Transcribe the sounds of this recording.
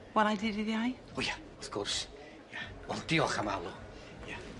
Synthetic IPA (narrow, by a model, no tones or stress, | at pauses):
wɛlˠajdidiðjaj | uja | ɔfkʰɔrs | jawɛlˠd̥iɔχamalˠu | ja